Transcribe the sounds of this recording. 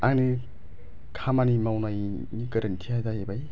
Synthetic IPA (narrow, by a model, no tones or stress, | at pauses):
aŋni | kʰamanimawnaj | niɡɐɾɐntʰiazajebaj